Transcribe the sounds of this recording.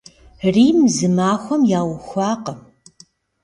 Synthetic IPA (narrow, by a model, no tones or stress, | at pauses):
riːmzɨmaːxʷɔmjaːwʊxʷɑːqəm